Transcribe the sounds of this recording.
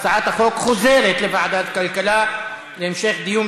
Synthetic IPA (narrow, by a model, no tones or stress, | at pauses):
saʕaːt̪ʔaxoːkxʊzeːɾˤɑt̪lɪbaʕd̪at̪kalkala | lɪʔɪmʃɛːxd̪ɪjuːm